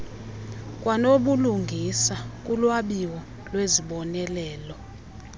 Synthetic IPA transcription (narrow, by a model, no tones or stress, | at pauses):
kʼwanoɓuluŋɡʱisak̬ʼulwaɓiwɔ | lweziɓɔnɛlɛːlɔ